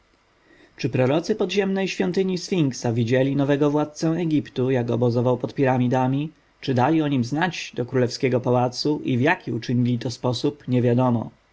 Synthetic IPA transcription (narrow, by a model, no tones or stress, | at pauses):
t͡ʂɘpɾɔɾɔt̪sɘpɔd̪ʑɛmnɛjɕfʲjɔnt̪ɘɲisfʲiŋksavʲid͡ʑɛlʲinɔvɛɡɔvwat̪̚t̪sɛɛɡʲipt̪ujaɡɔbɔzɔvawpɔt̪pʲiɾamʲid̪amʲi | t͡ʂɘd̪alʲiɔɲimznad͡ʑd̪ɔkɾulɛfskʲɛɡɔpawat̪suʔivjakʲiut͡ʂɘɲilʲit̪ɔspɔsupɲɛvʲjad̪ɔmɔ̰